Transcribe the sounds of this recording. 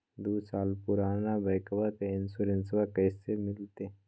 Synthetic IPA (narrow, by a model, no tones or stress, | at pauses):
d̪uːsaːlpʊɾaːnabɐjkəʋakeɪnsʊɾɪnsʋakɛːsemɪlt̪e